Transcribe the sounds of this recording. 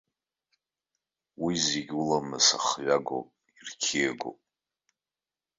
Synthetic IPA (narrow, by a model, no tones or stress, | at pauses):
wizeɡʲulamɨsaχɥaɡo̰pʼ | irkʲʰiaɡo̰pʼ